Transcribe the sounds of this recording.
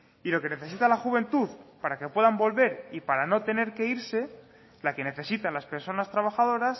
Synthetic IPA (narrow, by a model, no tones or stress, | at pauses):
ilo̞ke̞ne̞θe̞sit̪alaxuβ̞e̞nt̪uðpaɾakepwe̞ðambo̞lβe̞ɾipaɾano̞t̪e̞ne̞ɾke̞iɾse̞ | lake̞ne̞θe̞sit̪anlaspe̞ɾso̞nast̪ɾaβ̞axað̞o̞ɾas